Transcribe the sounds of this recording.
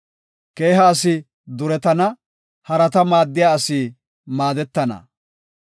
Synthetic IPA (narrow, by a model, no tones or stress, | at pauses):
ke̞ːɦɐːsɪ | d̪ʊɾɛt̪ɐnɐ | hɐɾɐt̪ɐmaːd̪ːɪjaːɐsiː | maːd̪ɛt̪ːɐnɐ̰